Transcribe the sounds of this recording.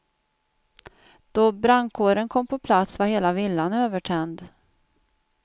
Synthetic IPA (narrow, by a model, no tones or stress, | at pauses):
d̪̥ɔbɾaŋkʰoːɾənkʰɔmːpʰɔpʰlat̪svaheːlavɪlːanøːvəʈʰɛnd̪